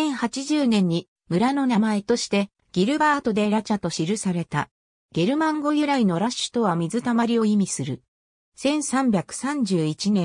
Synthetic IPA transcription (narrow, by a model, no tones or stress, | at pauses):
ẽ̞ɰ̃hat͡ɕiʑɨːnẽ̞ɲ̟ːi | mɯ̟ɾano̞namae̞t̪o̞ɕi̥t̪e̞ | ɡ̥ʲiɾɯ̟baːt̪o̞d̪e̞ɾat͡ɕat̪o̞ɕiɾɯ̟saɾe̞t̪a̰ | ɡ̥e̞ɾɯ̟mãŋɡo̞jɯ̟ɾaino̞ɾaɕɨ̥t̪o̞βamʲizɨt̪amaɾʲio̞imʲisɨɾɯ̟ | sẽ̞ɰ̃sãmbʲakɯ̟̥sãɲd͡ʑɨːit͡ɕinẽ̞